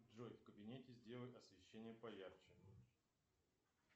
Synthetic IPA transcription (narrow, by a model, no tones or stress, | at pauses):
ʐojfkəbʲɪnʲetʲɪzʲdʲe̞lˠəjʲɐsvʲɪɕːenʲɪjəpɐjart͡ɕɪ